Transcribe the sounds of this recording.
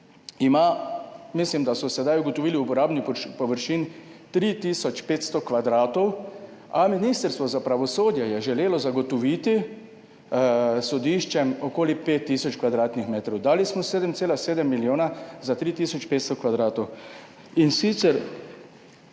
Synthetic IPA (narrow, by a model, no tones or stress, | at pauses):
imamislimd̪asɔsɛd̪ajuɡɔt̪ɔʋiːliupɔɾaːbnipɔʋəɾʃiːnt̪ɾit̪iːsɔt͡ʃpeːt̪st̪ɔkʋad̪ɾaːt̪ɔw | aminiːst̪əɾst̪ʋɔzapɾaʋɔsoːd̪jɛjɛʒɛleːlɔzaɡɔt̪ɔʋiːt̪i | sɔd̪iʃt͡ʃɛmɔkoːlipeːt̪ːiːsɔt͡ʃkʋad̪ɾaːt̪nixmeːt̪ɾɔwd̪aːlismɔseːd̪əmt̪seːlaseːd̪ɛmːiljoːnazat̪ɾiːt̪iːsɔt͡ʃpeːt̪st̪ɔkʋad̪ɾaːt̪ɔw | insit̪sɛɾ